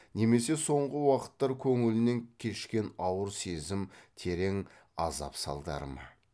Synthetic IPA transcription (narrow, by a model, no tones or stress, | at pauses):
ne̞me̞se̞so̞ɴʁəwɑqə̥t̪ːɑɾkʲʰɵŋɪlɪne̞ŋkʲʰe̞ʃkʲe̞nɑwəɾse̞zɪmt̪ʰe̞ɾe̞ŋ | ɑ̰zɑ̰psɑ̰lˠd̪ɑ̰ɾəmɑ̰